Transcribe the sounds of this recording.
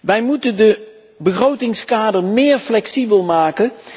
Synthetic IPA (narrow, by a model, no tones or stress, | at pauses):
ʋɛjmutəndə | bərowtɪŋskaːdərmɪːɹflɛksibəlˠmaːkən